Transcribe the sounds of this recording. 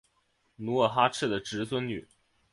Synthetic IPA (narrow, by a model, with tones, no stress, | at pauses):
nu˧˥ə˨˩xa˥ʈ͡ʂ̩ʰ˥˩d̪ə˩ʈ͡ʂɻ̩˧˥sʰwə˥nny̰˨˩˦